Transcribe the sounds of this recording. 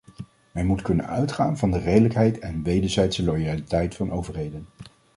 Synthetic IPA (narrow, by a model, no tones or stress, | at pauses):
mɛnmutkɵnə̰nœɥtχaːnvɑndərejdələkɦɛjtʰɛnʋejdəɹzɛjtsəlojalitɛjtfɑnowvəɹɦejdən